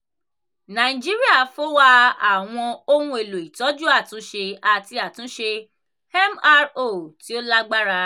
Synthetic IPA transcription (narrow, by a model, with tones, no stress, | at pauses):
nã˨i˨d͡ʒi˦ɾi˦a˦˨fo˦wa˦a˨w̃ɔ̃˧o˦hũ˧˦e˨lo˨i˨tɔ˨˦d͡ʒu˦a˦˨tũ˨˦ʃe˧a˨ti˨˧a˨tũ˨˦ʃe˧ | ɛ˦ma˦ɾo˦˨ti˨˦o˦la˦ɡ͡ba˦ɾa˧